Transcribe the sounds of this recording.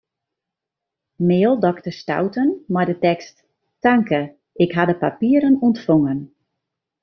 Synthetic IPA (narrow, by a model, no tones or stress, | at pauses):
meːlˠdɔktəsta̰wtənmajdətɛkst | taŋkə | ʔɪkɦadəpapiəɾənɔntfoŋən